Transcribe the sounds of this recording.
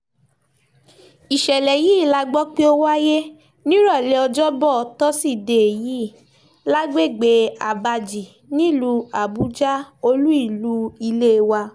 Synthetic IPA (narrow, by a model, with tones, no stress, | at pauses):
i˨ʃɛ˨lɛ˨jiː˦˨la˧ɡ͡bɔ˦k͡pe˦o˦wa˦je˦ | nĩ˦ɾɔ˦˨le˨˧˦ɔ˧d͡ʒɔ˦bɔ˦˨˦tɔ˦si˦˨de˨e˨ji˨˦˨ | la˦ɡ͡be˦˨ɡ͡be˨˧˦a˨ba˧d͡ʒi˨ | nĩ˦˨lu˧a˨bu˨˦d͡ʒa˦o˧lu˦i˦˨lu˨˦i˧le˦˧wa˧